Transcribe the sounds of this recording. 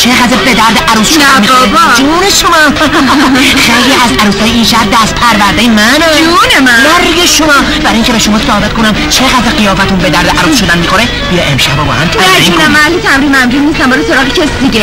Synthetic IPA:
t͡ʃʰeɣæd̪ɾbed̪æɾd̪eʔæɾuːsʃod̪ænmiːoɾbduneʃomɒː | xejliæzæɾuːshɒːjeinʃæb̚d̪æst̪̚pʰæɾvæɾd̪ejemænunemæmæɾɡeʃomɒː | bæɾjiŋkcʰeeʃomɒːsohbet̪̚kʰonæmt͡ʃʰeɣæd̪ɾeɣijɒːfæt̪unbe̞d̪æɾd̪eʔæɾuːsʃod̪ænmiːxoɾe | bijeʔemʃæbɒːbɒ̰ːhæmʰæɾæsiæmmænælːiːt̪ʰæmɾimæmd͡ʒuːd̪niːst̪æmbɒɾesoɾɒːɣecʰesid̪iɟe

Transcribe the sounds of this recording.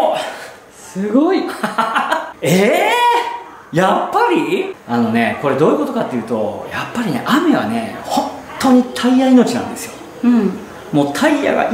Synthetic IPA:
sɨɡoi | e | japːaɾʲiano̞ne̞ko̞ɾe̞d̪o̞ːjɯ̟ko̞t̪o̞kat̪ːe̞jɯ̟ːt̪o̞japːaɾʲine̞̰ʔame̞β̞a̰ne̞̰hõ̞nt̪ːo̞ːɲ̟it̪ʰaijaino̞t͡ɕinã̰nd̪e̞sɨjo̞ | ɯ̃ | mo̞ːt̪ʰaija̰ɡa̰ʔ

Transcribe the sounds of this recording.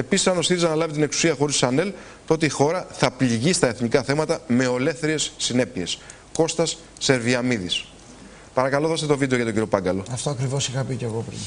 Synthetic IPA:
e̞pisisɐno̞siθisɐnɐlɐvit̪ineksu̥siɐxo̞ɾisɐne̞l | t̪oo̞t̪̬eixo̞ɾɐθɐpliʝist̪ɐeθnikɐθe̞mɐt̪ɐme̞o̞le̞θeɾie̞sːine̞pie̞s | ko̞st̪ɐsː | e̞ɾviɐmiðis | pɐɾɐkɐlo̞ðo̞st̪et̪o̞vid̪eo̞ʝɐt̪o̞ɟiɾio̞pɐŋɡɐlo̞ɐft̪oɐkɾivo̞sixɐpiceɣopɾḭn

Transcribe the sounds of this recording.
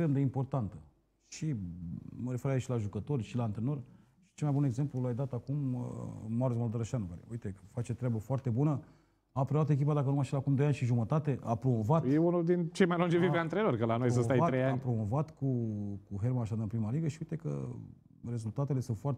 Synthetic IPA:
kt̪ɾemd̪e̞impo̞rt̪ant̪ə | ʃi | məɾe̞fe̞ɾait͡ʃlaʒukət̪o̞rʲʃilant̪ɾeno̞r | ʃi̥t͡ʃelmajbune̞ɡze̞mplulajd̪at̪akuməːaɾosmold̪oɾəʃanukaɾḛujt̪e̞fat͡ʃe̞t̪ɾʲabəfoart̪e̞bunə | apɾooat̪e̞k̬ʲip̬ad̪ak̬ənumajʃilakumd̪o̞janʃiʒumət̪at̪e̞ʔapɾo̞mo̞vat̪jeunuld̪int͡ʃe̞jmajlund͡ʒeviveant̪ɾeloɾrkəlanojs̬əst̪ajat̪ɾejanʲpɾomo̞vat̪kukuɦermanaʃad̪ɨnpɾimaliɡəʃiujit̪e̞kə̰ | re̞zult̪at̪e̞le̞sunt̪foart̪

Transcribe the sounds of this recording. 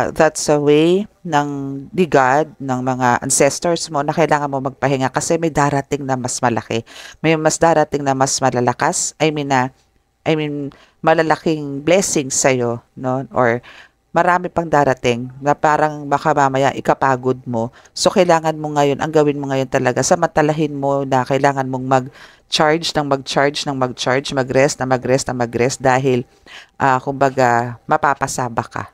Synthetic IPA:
ðat̪sɐwejnɐŋlɪɡad̪̚nɐŋmɐŋaʔɐ̰nsɛst̪ɛɹsmo̞nɐkɐjlaːŋɐnmo̞mɐɡ̚pɐɦɪŋakɐsɛmɐjd̪aːɾɐt̪ɪŋnɐmɐsmɐlɐkɛmɐjmɐsd̪aːɾɐt̪ɪŋnɐmɐsmɐlalɐkasʔɐjmɪnɐ | ʔɐjmɪn | mɐlɐlɐkɪŋblɛsɪŋsɐjo̞noʔo̰ɹ | mɐɾaːmɪpɐŋd̪aːɾɐt̪ɪŋnɐpaːɾɐŋmɐkɐmamɐja̰ʔʔɪkɐpaːɡod̪̚mo̞ | so̞kɐjlaːŋɐnmo̞ŋɐjo̞nʔɐ̰ŋɡɐwɪnmoŋɐjo̞nt̪ɐlɐɡasɐmɐnt̪ɐlɐɦɪnmo̞nɐkɐɪlaːŋɐnmo̞ŋmɐɡ̚ | t͡ʃaɹd͡ʒnɐŋmɐɡ̚t͡ʃaɹd͡ʒnɐŋmɐɡ̚t͡ʃaɹd͡ʒmɐɡɾɛst̪nɐmɐɡɾɛst̪nɐmɐɡɾɛst̪̚d̪aːɦɪl | ʔaːkʊmbɐɡamɐpaːpɐsaːbɐka̰

